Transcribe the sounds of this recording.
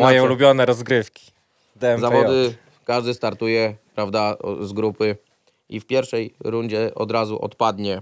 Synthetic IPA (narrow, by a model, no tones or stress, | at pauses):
majɔ̃lubʲjɔnɛɾɔzɡɾɘfkʲi̥ | d̪ɛzavɔd̪ɘ | kaʐd̪ɘst̪aɾt̪ujɛpɾavd̪azɡɾupɘ | ifpʲjɛɾfʂɛjɾuɲd͡ʑɛʔɔd̪ɾazuʔɔ̰t̪pad̪ɲɛ